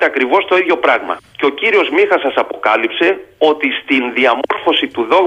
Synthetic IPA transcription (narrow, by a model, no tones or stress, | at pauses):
t̪eɐkɾivo̞st̪o̞iðʝo̞pɾɐɣmɐ̰ceo̞ciɾio̞zmixɐsɐsɐpo̞kɐlipse̞o̞t̪ist̪inðiɐmoɾfo̞sit̪uðo̞ɣ